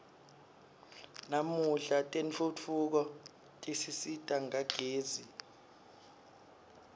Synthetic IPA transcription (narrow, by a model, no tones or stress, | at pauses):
namuɬatʼent͡fʰut͡fʰuk̬ɔ | tʼisisitʼaŋaɡ̥ʱeːzi